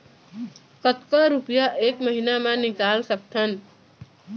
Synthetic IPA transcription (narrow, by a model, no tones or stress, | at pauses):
kət̪kaɾupijaʔeːkməɦinamẽnɪkaːlsək̚t̪ʰən